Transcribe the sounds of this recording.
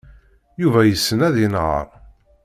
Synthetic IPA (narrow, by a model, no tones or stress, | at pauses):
juvæjəsːənæðinʁə̰ɾˤ